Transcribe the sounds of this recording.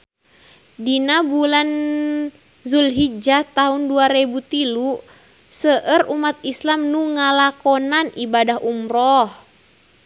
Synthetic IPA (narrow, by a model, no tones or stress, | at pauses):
dinabulan | zulɦid͡ʒat̪aɦunduaɾɛbut̪ilu | səʔərumat̪islamnuŋalakɔnanibadaɦʔumrɔh